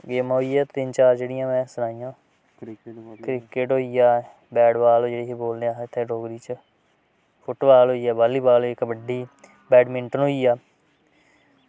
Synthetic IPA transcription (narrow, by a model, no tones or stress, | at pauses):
ɡeːmaːɦoiːɛːt̪ɪnt͡ʃaːɾd͡ʒeːɽɪjãːmɛ̃ːsənaːijãː | kɾɪkɪʈɦoːiːaː | bɛːɽbaːloːd͡ʒeːɽeːkeːboːlneːaːt̪ʰːeːɖoːɡɾiːt͡ʃ | pʰʊʈbaːloːiːaːbaːliːbaːlɦoikbəɖiː | bɛːɖmɪɳʈənɦoːiːaː